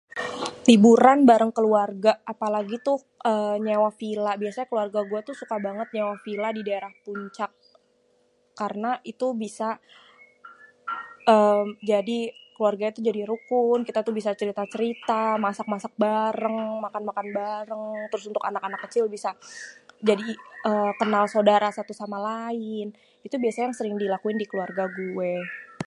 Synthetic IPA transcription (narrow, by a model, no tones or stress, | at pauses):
t̪ibuɾanbaɾəŋkəluarɡaapalaɡit̪ʊh | ʔəːɲawafilabiasaɲakəluarɡaɡuat̪usukabaŋət̪̚ɲawafiladidaeɾahpuɲt͡ʃak | aɾənait̪ubisa | əːmd͡ʒadikəluarɡait̪ud͡ʒadiɾukʊnkit̪at̪ubisat͡ʃəɾit̪at͡ʃəɾit̪amasak̚masak̚baɾəŋmakanmakanbaɾəŋt̪əɾʊsunt̪ʊkanakanakːət͡ʃɪlbisa | d͡ʒadiəːkənalsodaɾasat̪usamalaɪn | it̪ubiasajaŋsəɾɪŋdilakuɪndikəluarɡaɡue